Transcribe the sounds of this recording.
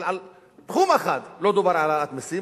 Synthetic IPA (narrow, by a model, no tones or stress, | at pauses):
ʕal | t̪xuːmaxad̪lod̪ubaɾʕalaat̪mesi